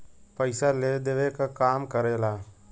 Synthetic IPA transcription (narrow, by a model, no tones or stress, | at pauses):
pəɪsaleːd̪eːʋekakaːmkəɾeːlaː